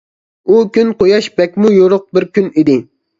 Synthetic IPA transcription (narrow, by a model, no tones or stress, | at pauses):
ukʲynqojɑʃbɛkʲmujoɾʊq̚bɪɾkʲʰynid̪ɪ